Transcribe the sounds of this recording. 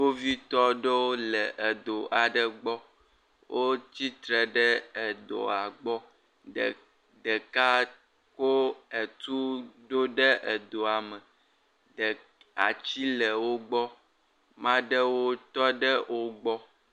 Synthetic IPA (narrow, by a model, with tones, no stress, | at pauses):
wo˦vi˦t̪ɔ˦ɖɛ˦wo˦lɛ˨ʔe˨d̪o˨ʔa˨ɖə˨ɡ͡bɔ˦ | wʔo˦t͡ɕi˦t̪ɾɛ˨ɖɛ˦ɛ˨d̪o̰˨a˨ɡ͡bɔ˦˨ | d̪ɛ˨ka˦ | ko˦ɛ˨t̪u˦ɖo˦ɖɛ˦ʔɛ˨d̪o˨a˨mɛ˨ | a̰˨t͡ɕi˦lɛ˨wo˦ɡ͡bɔ˦ | mã˦ɖɛ˦wo˦t̪ɔ˦ɖɛ˦wʔo˦ɡ͡bɔ˦